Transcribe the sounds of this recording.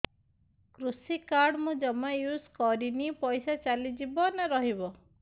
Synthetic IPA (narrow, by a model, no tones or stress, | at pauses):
kɾusikaɾɽmũd͡ʒɔmajuskɔɾinipɔjsat͡ʃalid͡ʒibɔnaɾɔɦibɔ